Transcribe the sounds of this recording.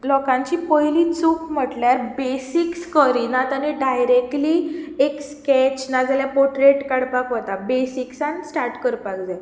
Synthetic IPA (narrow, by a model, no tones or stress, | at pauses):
lɔkãɲt͡ɕiːpəɦjliːt͡suːkm̤əʈljaɾbesikskəɾinat̪aniɖajɾekʈliːekskɛt͡ɕnad͡zaljapoʈɾeʈkaɽpakɦot̪abesiksansʈaɾʈkəɾpakd͡za